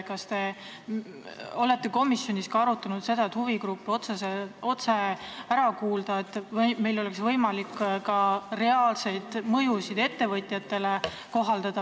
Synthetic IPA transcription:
kɑst̪e̞ | o̞le̞t̪ːe̞ko̞misjonʲiskɑɑɾut̪ːˑɑnud̪̥se̞d̪̥ɑet̪huviɡɾupːo̞t̪seseo̞t̪se̞æɾɑkuːld̪ɑe̞t̪ːˑvme̞jlo̞le̞ksvɤjmɑlikːkɑre̞ɑːlse̞jd̪̥mɤjusid̪e̞t̪ːe̞vɤt̪ʲˑjɑt̪ːe̞le̞ | ko̞ɦɑld̪̥ɑd̪̥ɑ

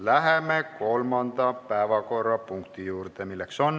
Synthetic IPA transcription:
læɦemeko̞lmɑnd̪ɑpæevɑko̞rːɑpuŋkt̪ijuːɾt̪emilːekso̞n

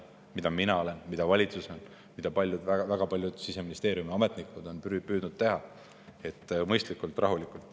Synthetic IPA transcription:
mid̪ɑminɑo̞le̞nmid̪̥ɑvɑlʲit̪suson | mid̪̥ɑpɑlʲjud̪̥vævæɡ̥ɑpɑlʲjud̪̥sise̞minist̪e̞ːɾjumiɑme̞t̪ˑnikud̪o̞npːpyːd̪̥nud̪̥̚t̪e̞ɦɑ | e̞t̪ːmɤjst̪likːˑult̪ˑrɑ̰ɦulikult̪ːˑ

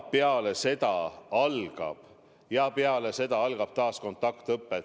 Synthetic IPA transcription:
peɑle̞se̞t̪ɑɑlɡ̥ɑ̰b̥ | jɑpeɑle̞se̞d̪ɑɑlɡ̥ɑb̥̚t̪ɑːsko̞nt̪ːˑɑkt̪ɤpːˑe

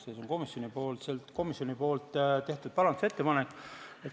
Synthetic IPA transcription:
sesonko̞misjo̞nipo̞ːlt̪selt̪ko̞misʲjo̞nipo̞ːlt̪ːt̪e̞ht̪ud̪̚pɑɾɑnd̪use̞t̪ːe̞pɑnekːet̪

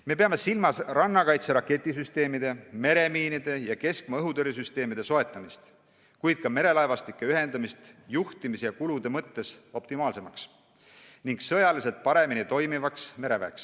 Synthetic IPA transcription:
me̞pe̞ɑme̞silmɑsrɑnːɑkɑjt̪se̞ɾɑkːˑe̞t̪ʲːˑis̬yst̪e̞ːmid̪e̞me̞ɾe̞miːnid̪̥e̞jɑke̞skmɑɤɦud̪oɾis̬yst̪e̞ːmid̪̥e̞so̞e̞t̪ˑːɑmist̪ | kujd̪̥̚kɑme̞ɾe̞lɑevɑst̪ikˑːe̞yɦe̞nd̪ɑmist̪juht̪imisejɑkulud̪e̞mɤt̪ːe̞so̞p̚t̪imɑːlse̞mɑks | niŋɡsɤ̞jɑlise̞lt̪̚pɑɾe̞minit̪o̞jmivɑksme̞ɾe̞væ̰eks

